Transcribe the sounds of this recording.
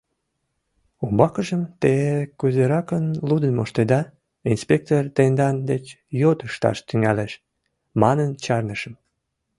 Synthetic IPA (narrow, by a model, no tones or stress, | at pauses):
ombɑkəʒəmt̪ekuzeɾɑkənlud̪ənmoʃt̪ed̪ɑ | inspʲek̚t̪ort̪end̪ɑnd̪et͡ɕ | jot̪əʃt̪ɑ̰ʃt̪yŋæleʃ | mɑnənt͡ɕɑrnəʃəm